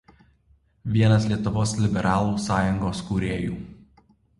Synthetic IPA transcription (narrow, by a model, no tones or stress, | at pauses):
ʋʲiɛnɐslʲiɛt̪ʊʋoːslʲɪbʲɛɾʔɑːlˠuːsɑːjʊŋɡoːskuːɾʲeːjuː